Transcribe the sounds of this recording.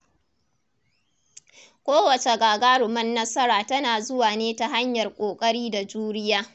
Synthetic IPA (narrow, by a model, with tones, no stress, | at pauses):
kʷoː˦wɐ˨t͡ʃe˨ɡaː˨ɡaː˦ɽʊ˨mɐ˦nːɐ˦sɐ˦ɾaː˨tɐ˦naː˨zʊ˦waː˨neː˦ta˨ɦa˦ɲjɐ˨rkʷʼoː˨kʼɐ˦ɽiː˦da˨d͡ʒuː˦ɽɪ˦jaː˦